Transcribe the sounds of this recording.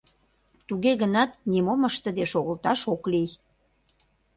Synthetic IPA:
t̪uɣeɣənɑt̪nimoməʃt̪ə̆d̪eʃoɣəlt̪ɑʃoklij

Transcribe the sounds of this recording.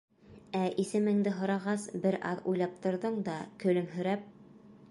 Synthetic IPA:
æʔisɘ̆mɘ̆ŋd̪ɘɦŏɾɑʁɑsbɘɾʔɑ̰ðṵjlˠɑp̚t̪ŏɾðɤɴd̪ɑkɵ̆lɘmɦɵ̆ɾæp̚

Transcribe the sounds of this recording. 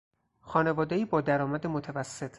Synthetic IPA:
xɒːne̞vɒːd̪eiːbɒːd̪æɾɒːmæd̪emot̪ʰævæsːet̪ʰ

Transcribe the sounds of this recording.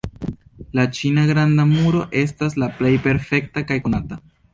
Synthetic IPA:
lat͡ʃinaɡɾandamuɾo̞ʔe̞stas̬laple̞jpe̞ɾfe̞k̚takajkonata

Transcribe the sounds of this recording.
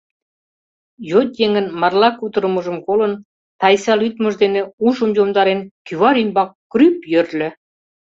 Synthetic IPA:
jot̪jeŋə̆nmɑrlɑkut̪ə̆ɾəməʒə̆mkolə̆n | t̪ɑjsɑlyt̪məʒd̪enĕuʒəmjomd̪ɑɾenkyβɑɾymbɑk̚ːrypjørlʲø̆

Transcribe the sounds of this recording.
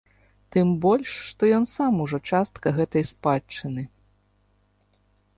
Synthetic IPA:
t̪ɨmbɔlʲʂːt̪ɔjɔnsamuʐɔt͡ʂast̪kɐɣɛt̪ɐjspat͡ʂɨnɨ

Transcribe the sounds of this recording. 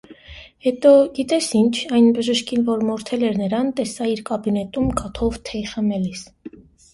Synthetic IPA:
hɛt̪ɔɡit̪ɛsint͡ʃʰɑjnbəʒəʃkinvɔɾmɔɾt̪ʰɛlɛɾnəɾɑnt̪ɛsɑiɾkɑbinɛt̪umkɑt̪ʰɔvt̪ʰɛχəmɛlis

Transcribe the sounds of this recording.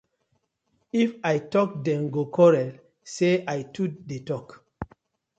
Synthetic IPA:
ifajtɔk̚dɛ̃mɡokʰɔɹɛl | seajtutdetɔk

